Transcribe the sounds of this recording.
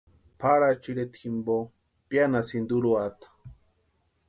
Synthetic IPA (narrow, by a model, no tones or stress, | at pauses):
pʰaɾat͡ʃiɾet̪ximbo | pjanasind̪uɾuat̪ḁ